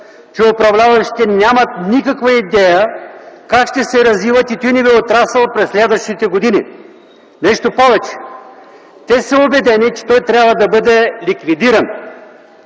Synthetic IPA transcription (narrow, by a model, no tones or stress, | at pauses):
t͡ʃɛopɾɐvlʲavɐʃi̥t̪ɛnʲjamɐt̪nikɐkvɐid̪ɛjəkakʃt̪ɛsɛɾɐzvivət̪it̪ɔjnɛbɛot̪ɾasəlˠpɾɛsːlɛd̪vɐʃt̪it̪ɛɡod̪inḭ | nɛʃt̪opɔvɛt͡ʃɛ̥ | t̪ɛsəobɛd̪ɛnit͡ʃɛ̥t̪ɔjt̪ɾʲjabvɐd̪ɐbɤd̪ɛlʲikvid̪iɾɐn